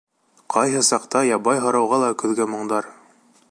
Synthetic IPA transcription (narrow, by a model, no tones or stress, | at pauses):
qɑjɦɤsɑqt̪ɑjɑbɑjɦɤ̆ɾɑwʁɑlˠɑkɵ̆ðɡæmŏɴd̪ɑɾ